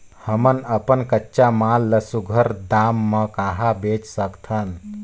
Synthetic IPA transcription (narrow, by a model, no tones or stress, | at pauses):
həmənəpənkətːʃamalːəsuɡʱəɾd̪amːəkaɦabet͡ʃsəkt̪ʰən